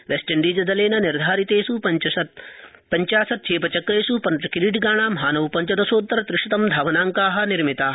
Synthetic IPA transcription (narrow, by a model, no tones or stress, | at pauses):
ʋesʈɐɳɖiːd͡ʒɐd̪ɐleːnɐniɾd̪ʱaːɾit̪eːsupɐt͡ʃɐɐ | pɐɲt͡ʃaːsɐt̪̚t͡ʃʰeːpɐt͡ʃɐkɾeːsupɐnt͡ʃɐkiɾiɖɡaːɳ̃aːmɐɦaːnɐʋpɐɲt͡ʃɐd̪ɐsoːt̪ːɐɾɐt̪ɾɪʂit̪ɐmd̪ʱaːʋɐnaːŋkaːɦɐ̆niɾmit̪aː